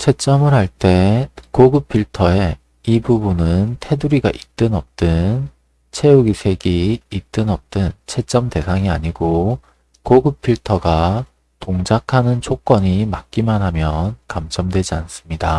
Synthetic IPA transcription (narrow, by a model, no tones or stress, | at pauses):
t͡ɕʰe̞t͡ɕ͈ʌmɯɾɦaɭt͈e̞koɡɯpʰːiɭtʰʌe̞ | ibubunɯntʰe̞duɾiɡa̰ʔit͈ɯnʌp̚t͈ɯn | t͡ɕʰe̞uɡisʰe̞ɡiːt͈ɯnʌp̚t͈ɯnt͡ɕʰe̞t͡ɕ͈ʌmte̞sʰaŋiaɲiɡo | koɡɯpʰːiɭtʰʌɡa | toŋd͡ʑakʰanɯnt͡ɕʰok͈ʌɲimak̚k͈imanɦamjʌnkamt͡ɕʌmdwe̞d͡ʑians͈ɯmɲida